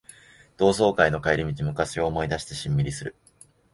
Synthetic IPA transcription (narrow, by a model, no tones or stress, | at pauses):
d̪̥o̞ːso̞ːkaino̞kaiɾʲimʲit͡ɕimɯ̟kaɕio̞ːmo̞id̪aɕi̥t̪e̞ɕĩmːʲiɾʲisɨɾɯ̟